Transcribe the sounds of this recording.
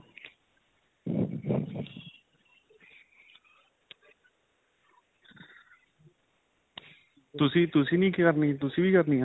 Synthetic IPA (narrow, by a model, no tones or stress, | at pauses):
t̪usit̪usinikikarnit̪usibikarnia